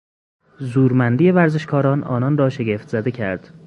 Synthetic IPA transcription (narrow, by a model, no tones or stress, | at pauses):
zuːɾmænd̪ijevæɾze̞ʃkʰɒːɾɒːnʔɒ̰ːnɒːnrɒːʃeɡeft̪z̥æd̪e̞cʰæɾd̪̥